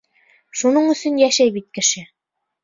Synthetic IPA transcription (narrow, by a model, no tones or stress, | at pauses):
ʃunɤɴɵ̆sɵnjæʃæjbit̪̚kɘ̆ʃɘ